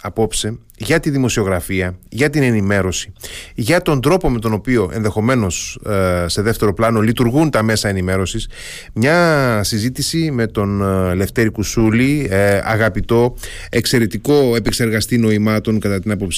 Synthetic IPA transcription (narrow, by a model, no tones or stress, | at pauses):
ɐpo̞pse̞ | ʝɐt̪iðimo̞sio̞ɣɾɐfiɐʝɐt̪ine̞nime̞ɾo̞si̥ʝɐt̪o̞nd̪ɾo̞po̞me̞t̪o̞no̞pio̞ʔe̞nðe̞xo̞me̞no̞sse̞ðe̞ft̪e̞ɾo̞plɐno̞lit̪uɾɣunt̪ɐme̞sɐenime̞ɾo̞sis | mɲɐsizit̪isime̞t̪o̞nle̞ft̪e̞ɾikusuliɐ̰ɣɐpit̪o̞ | e̞kse̞ɾe̞t̪iko̞e̞pekse̞ɾɣɐst̪ino̞imɐt̪o̞ŋkɐt̪ɐt̪inɐpopsi